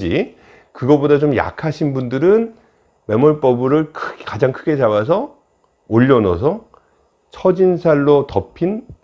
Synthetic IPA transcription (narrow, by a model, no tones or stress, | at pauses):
d͡ʑi | kɯɡʌbodat͡ɕomja̰kʰaɕʰinbundɯɾɯn | me̞mʌɭp͈ʌbɯɾɯɭkʰkad͡ʑaŋkʰɯɡe̞t͡ɕabas̬ʰʌ | oʎːʌnʌsʰʌ | t͡ɕʰʌd͡ʑinsʰaɭːotʌpʰin